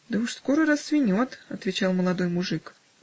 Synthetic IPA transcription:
d̪əʊʂsko̞ɾəɾɐsːvʲɪnʲot̪ɐt̪vʲɪt͡ɕalˠməlˠɐd̪o̞jmʊʐɨk

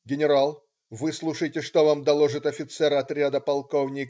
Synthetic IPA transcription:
ɡʲɪnʲɪɾalˠ | vɨslˠuʂəjtʲɪʂt̪ovamd̪ɐlˠoʐɨt̪ɐfʲɪt̪sɛɾɐt̪ɾʲad̪əpɐlˠkovnʲɪk

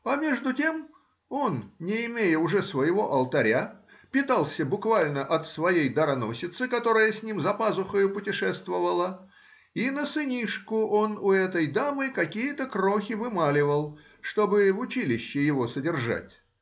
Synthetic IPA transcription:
ɐmʲe̞ʐd̪ʊtʲe̞m | o̞nnʲɪɪmʲejəʊʐɛsvəjɪvo̞ʔɐlˠt̪ɐɾʲa | pʲɪt̪alˠsʲəbʊkvalʲnəʔɐt̪svɐjejd̪əɾɐno̞̰sʲɪt̪sɨkɐt̪o̞ɾəjəsʲnʲimzɐpazʊxəjʊpʊtʲɪʂɛst̪vəvəlˠə | inəsɨnʲiʂkʊʔo̞nʊɛt̪əjd̪amɨkɐkʲijət̪əkroxʲɪvɨmalʲɪvəlˠ | ʂt̪o̞bɨvʊt͡ɕilʲɪɕːɪjɪvo̞sədʲɪrʐa̰tʲ

